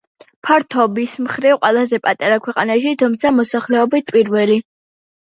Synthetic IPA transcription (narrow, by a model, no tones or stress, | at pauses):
pʰaɾt̪ʰɔbismχɾivqʼwɛlˠazɛpʼat̪ʼaɾakʰwɛqʼanaʃit̪ʰumt̪sʰamɔsaχlɛɔbit̪̚ʰpʼiɾvɛli